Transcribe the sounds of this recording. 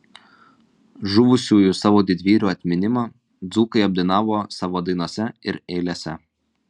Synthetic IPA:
ʒʊʋʊsʲuːjʊsɑːʋoːd̪ʲɪd̪ʲʋʲiːɾʲuːɐt̪ʲmʲɪnʲɪmɑ | d̪zuːkɐɪɐbʲd̪ɐɪnɑːʋoːsɑːʋoːd̪ɐɪnuɔsʲɛɪɾeːlʲeːsʲɛ

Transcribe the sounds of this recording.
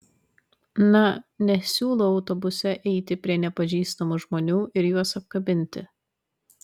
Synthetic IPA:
nɐnʲɛsʲuːlˠoɒʊt̪ɔbʊsʲɛʔɛɪt̪ʲɪpʲɾʲiɛnʲɛpɐʒʲiːst̪ɐmuʒmoːnʲuːɪɾjuɔsɐp̚kɐbʲɪnʲt̪ʲɪ

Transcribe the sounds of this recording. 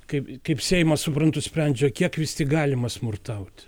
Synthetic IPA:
kɐɪpkɐɪpsʲɛɪmɐsʊpɾɐnt̪ʊsʲpʲɾʲɛnʲd͡ʒʲɛːkʲiɛkʋʲɪst̪ʲɪɡɑːlʲɪmɐsmʊrt̪ɐʊt̪ʲ

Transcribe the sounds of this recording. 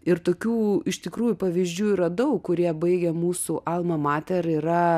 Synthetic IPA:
ɪɾt̪oːkʲuːɪʃt̪ʲɪkɾuːjʊpɐʋʲiːzʲd͡ʒʲuːiːɾɐd̪ɐʊkkʊɾʲiɛbɐɪɡʲɛmuːsʊʔɑlˠmɐmɑːt̪ʲɛɾiːɾɐ

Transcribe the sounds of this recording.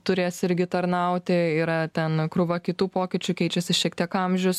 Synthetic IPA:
t̪ʊɾʲeːsɪɾʲɡʲɪt̪ɐɾnɐʊt̪ʲɪiːɾɐt̪ʲɛnkɾʊʋɐkʲɪt̪uːpoːkʲɪt͡ʃʲʊkʲɛɪt͡ʃʲɛsʲɪʃʲiɛk̚t̪ʲiɛkɐmʲʒʲʊs

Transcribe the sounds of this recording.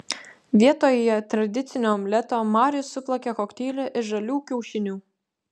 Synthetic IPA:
ʋʲiɛt̪oːjjɛt̪ɾɐd̪ʲɪt̪sʲɪnʲoːmʲlʲɛt̪oːmɑːɾʲɪjʊsːʊplˠɐkʲekɔkt̪ʲiːlʲɛʔɪʒɐlʲuːkʲɛʊʃʲɪnʲuː

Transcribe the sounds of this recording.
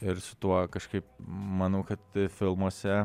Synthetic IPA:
ɪɾsʊ̥t̪uɔkɐʃkɐɪp̚mɑnɐʊkɐt̪fʲɪlˠmuɔsʲɛ

